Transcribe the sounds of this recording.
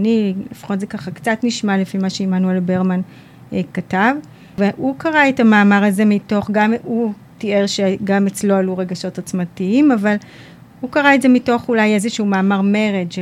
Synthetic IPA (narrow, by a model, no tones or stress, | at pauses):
nilifḁχo̞tzekaχakt͡satniʃmalefimaʃeimanuelbeʁman | katav | veʔukaʁaetamaːmaʁaze̞mito̞χɡamu | tieʁʃeɡamet͡slo̞aluʁeɡaʃo̞tat͡smatiimaval | hukaʁaetze̞mito̞χulaje̞zeʃuumaːmaʁme̞ʁedʃ